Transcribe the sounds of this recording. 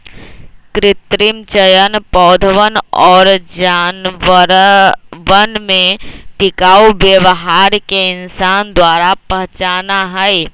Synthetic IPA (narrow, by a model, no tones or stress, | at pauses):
kɾɪt̪ɾɪmt͡ʃəjənpɔːd̪ʱəʋənɔːɾd͡ʒaːn | ʋənmẽʈɪkaːuʋjəʋɦaːɾkeɪnsaːnd̪waːɾapəɦt͡ʃaːnaɦɛj